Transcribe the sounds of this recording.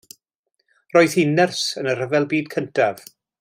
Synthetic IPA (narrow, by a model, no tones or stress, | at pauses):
roːɨðhiːnɪrsənər̥əvɛlˠbiːd̚kʰəntʰav̥